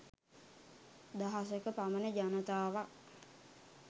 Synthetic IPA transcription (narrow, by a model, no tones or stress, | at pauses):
d̪aɦas̬əkəpamənəd͡ʒanət̪aːʋak̚